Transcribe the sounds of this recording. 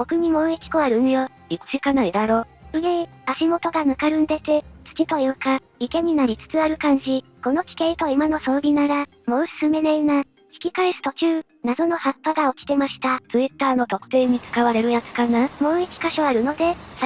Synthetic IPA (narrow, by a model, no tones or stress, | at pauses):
bo̞kɯ̟ɲ̟imoːikʲi̥ko̞aɾɯ̟nɯjo | ikɕikanaid̪aɾo̞ːsɨɡe | aɕimo̞t̪o̞ɡanakaɾɯ̟̃nd̪e̞t̪e̞t͡sɨ̥kʲit̪o̞jɯka | ike̞ɲ̟inaɾʲit͡sɨ̥t͡sɨaɾɯ̟kãɲ̟d͡ʑiko̞nokʲi̥ke̞it̪o̞imano̞so̞ːɾʲinaɾa | mo̞sɨ̥sɨme̞neina | çʲi̥kʲikaesɨ̥t̪o̞t͡ɕɨː | nad̪o̞no̞hat̪ːaɡaokʲi̥t̪e̞maɕi̥t̪at͡sɨit̪ːaːno̞t̪o̞kɯ̟̥t̪e̞ːɲ̟it͡sɨ̥kaβaɾe̞ɾɯ̟jat͡sɨ̥kanamo̞ːikʲi̥kaɕo̞aɾɯ̟no̞d̪e̞s